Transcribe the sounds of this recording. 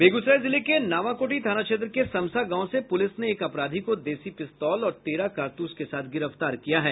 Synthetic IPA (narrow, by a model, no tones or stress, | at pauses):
beːɡʊsɾaːizɪlekenaːʋakoːʈit̪aːnat͡ʃẽːt̪ɾəkesɐ̃msaɡãːõsepʊlɪsneːkɐpɾaːd̪ʱikod̪eːsipɪst̪ɔːlɔːɾt̪eːɾakaːɾt̪uːskesaːt̪ʰɡɪɾəft̪aːɾkijaɦɛː